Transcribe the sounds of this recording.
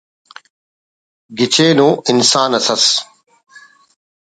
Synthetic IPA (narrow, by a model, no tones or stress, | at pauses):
ɡɪt͡ɕʰeːnõːʔɪnsaːnɐsɐs